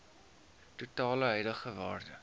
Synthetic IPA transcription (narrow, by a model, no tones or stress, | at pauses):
tutɑːləɦœjdəχəvɑːrdə